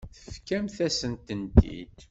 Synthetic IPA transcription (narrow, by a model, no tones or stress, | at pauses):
θəfkæmθæsənt̪ənt̪ːḭd̪